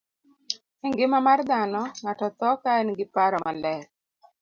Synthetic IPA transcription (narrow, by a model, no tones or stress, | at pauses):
ɛŋɡɪmamard̪anɔŋatɔt̪ɔkaɛnɡɪpaɾɔmalɛk̚